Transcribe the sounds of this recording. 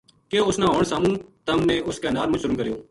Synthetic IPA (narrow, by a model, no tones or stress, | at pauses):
keːʊsnãːɦoːɳsaːmũːt̪əmnẽːʊskeːnaːɾmʊt͡ʃɾmkəɾɪjoː